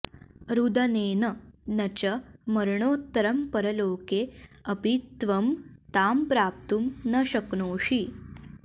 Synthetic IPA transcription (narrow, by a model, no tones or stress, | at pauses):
ɾud̪ɐneːnɐnɐt͡ɕɐmɐɾɳoːt̪ːɐɾɐmpɐɾɐloːkeɐbit̪ʋɐmt̪aːmpɾaːp̚t̪umnɐʃɐknoːʂi